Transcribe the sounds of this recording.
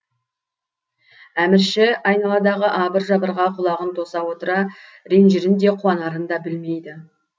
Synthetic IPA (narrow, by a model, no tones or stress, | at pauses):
æmɪɾʃɪɑjnɑlˠɑd̪ɑʁəʔɑbəɾʒɑbəɾʁɑqʰʊlˠɑʁənt̪ʰo̞sɑwo̞t̪əɾɑ | ɾenʒɪɾɪnd̪e̞qʰʊwɑnɑɾənd̪ɑbɪlme̞jd̪ɪ